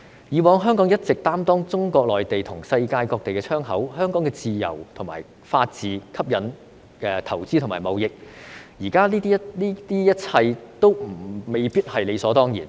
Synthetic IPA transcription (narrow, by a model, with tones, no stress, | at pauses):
jiː˨˧wɔː˨˧ŋɦœː˥ŋkɔ˨˥ŋjɐ˥t̚t͡sɪ˨k̚t̪aː˥mt̪ɔː˥ŋt͡sʊ˥ŋkɔː˧k̚lɔː˨jt̪e˨jt̪ʰʊ˨˩ŋsɐ˧jkaː˧jkɔː˧k̚t̪e˨jkɛː˧t͡ʃʰœː˥ŋɦɐ˨˥whœː˥ŋkɔː˨˥ŋkɛ˧t͡siː˨jɐ̰˨˩wt̪ʰʊ˨˩ŋma̰ː˨˩j | faː˧t̚t͡siː˨kʰɐ˥p̚jɐ˨˥n | ɛː˨t̪ʰɐ˨˩wt͡siː˥t̪ʰmaː˨˩jmɐ˨wjɪ˨k̚jiː˨˩kaː˥liː˥t̪iː˥liː˥t̪iː˥jɐ˥t̚t͡sʰɐ˧jt̪o˥wm̩˨˩me˨jpiː˥t̚hɐ˨jle˨˧jsɔː˨˥t̪ɔː˥ŋjḭː˨˩n